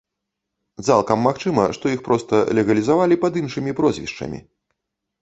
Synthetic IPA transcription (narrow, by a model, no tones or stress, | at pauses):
t̪salˠkɐmːaxt͡ʂɨmɐʂt̪ɔjixpɾɔst̪ɐlʲɛɣɐlʲizavalʲipɐd̪inʂɨmʲipɾɔzʲvʲḭʂt͡ʂɐ̰mʲḭ